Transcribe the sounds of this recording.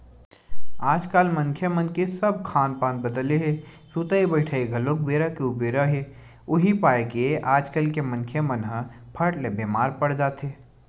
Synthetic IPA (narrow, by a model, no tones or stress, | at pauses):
aːd͡ʒkaːlmɐnkʰjemənkesɐb̚kʰaːnpaːnbəd̪əleɦeː | suːt̪aibəɪʈʰaːiɡʱɐlõk̚beːɾakeʊbeːɾəɦeː | ʊɦipaːekeʔaːd͡ʒkəlkemɐ̃nkʰjemənɦə̃pʰɐʈlebeːmaːɾpəɽd͡ʒaːt̪ʰeː